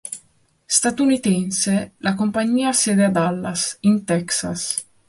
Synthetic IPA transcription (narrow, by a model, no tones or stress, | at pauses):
st̪at̪unit̪ɛnselakompaɲiːasɛd̪ead̪alːasint̪ɛksas